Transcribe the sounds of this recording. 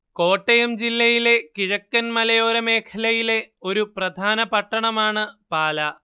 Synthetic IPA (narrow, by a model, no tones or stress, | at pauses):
ko̞ːʈːɐjɐmd͡ʑilːɐjile̞kiɻɐkːɐnmɐlɐjo̞ːɾɐmeːkʰɐlɐjile̞o̞ɾuprɐd̪ʱaːnɐpɐʈːɐɳɐmaːɳɨpaːlɐ